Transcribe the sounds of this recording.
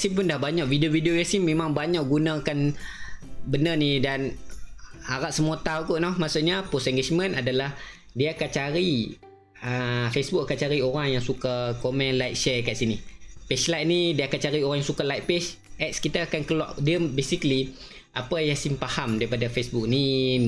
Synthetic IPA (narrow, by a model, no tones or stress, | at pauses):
asimp̬ʊndahbaɲaʔvidiovideojasimːẽmãŋbaɲaʔɡunãːkan | bənənidan | haɾaʔsəmuat̪awk̪uʔnɔhmasuʔɲapɔsɛ̃ŋɡed͡ʒmə̃nadalah | diaakant͡ʃaɾi | əfesbukakant͡ʃaɾioɾaŋjaŋsukakomɛ̃nlajt̪̚ʃɛkaʔsinipeslajt̪̚nidiəakant͡ʃaɾioɾaŋjãŋsukalajt̪̚pɛs | ʔɛt̪̚skit̪aːkankəlaʔdiəbesikəli | ʔapajasimpahamdaɾipadafesbuk̚ni